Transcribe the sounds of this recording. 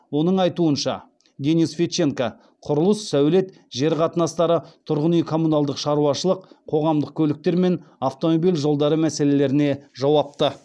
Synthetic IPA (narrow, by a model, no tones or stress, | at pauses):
wo̞nəɴɑjt̪uənʃɑ̰ | d̪ʲe̞nisfʲeʃe̞ŋka | qʰʊɾəlˠəsːæwle̞t̪ | ʒe̞ɾqʰɑt̪ənɑst̪ɑɾət̪ʰʊɾʁənijkʰo̞munalˠd̪əqʃɑɾuɑʃəlˠəq̚qʰo̞ʁɑmd̪əq̚kʲʰɵlɪk̚t̪e̞ɾme̞naft̪o̞mobijlʒo̞lˠd̪ɑɾəmæse̞le̞leɾɪne̞ʒɑwɑp̚t̪ə